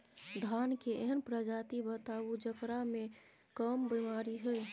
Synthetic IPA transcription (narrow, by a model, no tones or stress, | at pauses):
d̪ʱankeʔeɦənpɾəd͡ʒat̪ibət̪aud͡ʒəkɾame | kəmbimaɾiɦəj